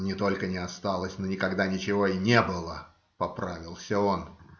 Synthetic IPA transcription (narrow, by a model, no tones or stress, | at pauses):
nʲɪt̪o̞lʲkənʲɪɐst̪alˠəsʲnonʲɪkɐɡd̪anʲɪt͡ɕɪvo̞ɪnʲebɨlˠə | pɐpɾavʲɪlˠsʲəo̞n